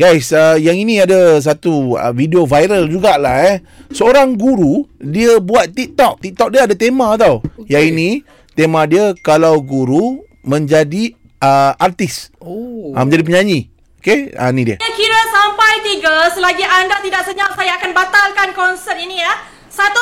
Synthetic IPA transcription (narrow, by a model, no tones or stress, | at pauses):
ɡajsəjaŋinĩadas̬at̪uə̰vidiovajɾəld͡ʒuɡaʔlahɛ | səoɾaŋɡuɾudiəbuat̪̚t̪ik̚t̪ɔk̚t̪ik̚t̪ɔk̚diəadat̪emãat̪awjainĩ | t̪emãdiəkalawɡuɾu | mə̃ɲd͡ʒadi | əart̪isoamə̃ɲd͡ʒadip̬əɲaɲi | okea̰nĩdiəəkiɾəsampajt̪iɡəsəlaɡiʔandat̪idaʔsəɲawsajaakanbat̪alkankɔnsət̪̚inilah | sat̪u